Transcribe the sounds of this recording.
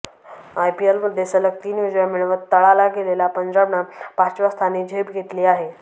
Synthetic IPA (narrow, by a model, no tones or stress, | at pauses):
ajpielməd̪ʱjesələk̚t̪iːnʋid͡ʑjamiɭəʋət̪ːəɭalaɡelelapəɲd͡ʑabnapat͡ɕʋast̪ʰaniːd͡ʑʱebɡʱet̪liːaɦe